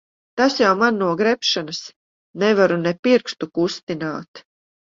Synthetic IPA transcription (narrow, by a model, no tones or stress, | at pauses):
t̪asjawmanːuɔɡɾɛpʃanas | nɛvaɾunɛpiɾkst̪ukust̪inaːt̪